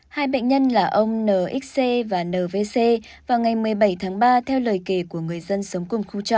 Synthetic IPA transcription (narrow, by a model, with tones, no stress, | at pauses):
haː˧jɓə̰˧˨ŋ̟ɲə˧nlaː˨˩ʔə˧wŋ͡mnəː˨˩ʔi˦˥k̚se˧vaː˨˩nəː˨˩ve˧se˧ | vaː˨˩wŋa˨˩jmɨ˨˩əjɓa˧˩jt̪ʰaː˨˦ŋɓaː˧t̪ʰɛ˧wləː˨˩jke˧˩ku˧˩əŋɨ˨˩əjzə˧nsə˨˦wŋ͡mkʊ˨˧˩ŋ͡mxu˧t͡ɕɔ̰˧˨ʔ